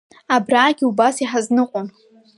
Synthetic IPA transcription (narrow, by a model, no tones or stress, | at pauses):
abraːɡʲiubasiħaznɨqʷʼʊn